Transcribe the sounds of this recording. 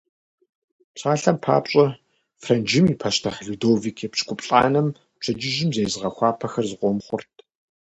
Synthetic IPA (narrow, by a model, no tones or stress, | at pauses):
pɕʰaːɬɐmpʰa̰ːpɕʼɐ | frɐnd͡ʒɪmiːpʰɐʃtʰɐχɮudoːvikʰeːpɕkʷʼʊpʼɬʼaːnɐm | pt͡ʃʰɐd͡ʒɪʒɪmzejzɨʁɐxʷɑːpʰɐxɐrzɨqʷɔmχʷʊrtʰ